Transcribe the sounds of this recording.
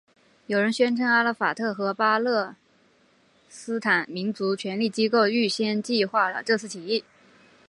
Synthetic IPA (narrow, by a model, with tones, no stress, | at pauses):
jo˨˩ɻə˧˥nɕɥɛ˥nʈ͡ʂʰɤ˧˥ŋa˥lə˧˥˩fa˨˩t̪ʰɤ˥˩xɤ˧˥pa˥lɤ˥˩ | sɹ̩˥t̪ʰa˨˩˦nmi˧˥nt͡su˧˥t͡ɕʰɥɛ˧˥nli˥˩t͡ɕi˥ko˥˧ʊy˥˩ɕjɛ˥nt͡ɕi˥˧xwa˥˩lə̰˨˩ʈ͡ʂɤ˥˧t͡sʰɹ̩˥˩t̪ʰi˨˩i˥˩